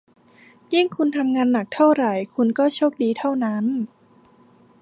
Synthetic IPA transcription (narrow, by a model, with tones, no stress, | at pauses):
ji˥˩ŋkʰu˧nt̪ʰa˧mŋaː˧nːa˨˩k̚t̪ʰa˥˩wɾa˨˩jkʰu˧nkɔː˥˩t͡ɕʰoː˥˩k̚diː˧t̪ʰa˥˩wna˦˥n